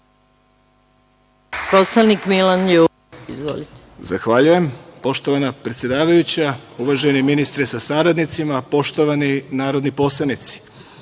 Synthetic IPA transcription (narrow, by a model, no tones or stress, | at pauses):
poslanikmilanj | izʋo̰lit̪e̥zaxʋaʎuje̞mpo̞ʃt̪o̞ʋanapɾe̞t̪sje̞d̪aːʋajut͡ɕauʋaʒeniminist̪ɾesasaɾad̪nit̪simapo̞ʃt̪o̞ʋaninaːɾo̞d̪nipo̞slˠanit̪si̥